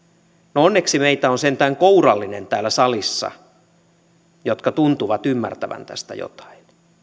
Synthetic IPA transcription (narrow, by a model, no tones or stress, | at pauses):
noonːeksimeit̪æonsent̪æːŋkourɑlːinent̪æːlːæsɑlisːɑ̰ | jot̪kɑt̪unt̪uʋɑt̪ymːæ̰rt̪æʋæ̰nt̪æ̰st̪æ̰jo̰t̪ɑ̥in